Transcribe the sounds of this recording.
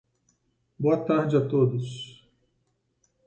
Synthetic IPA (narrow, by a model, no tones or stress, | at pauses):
boɐt̪aɾd͡ʒɪat̪od̪ʊs